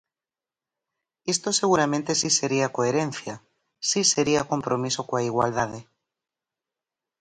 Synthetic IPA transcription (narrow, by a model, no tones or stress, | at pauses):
est̪oseɣ̞uɾamẽnt̪esise̞ɾiakoeɾẽn̟θja | siseɾiako̞mpɾomisokoaiɣwa̰ldað̞e